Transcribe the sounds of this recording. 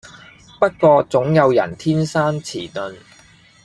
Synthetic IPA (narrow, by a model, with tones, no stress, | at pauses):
pɐ˥t̚kɔː˧t͡sʊ˨˥ŋjɐ˨˧wjɐ̰˨˩nt̪ʰiː˥nsaː˥nt͡sʰḭː˨˩nɵ˨n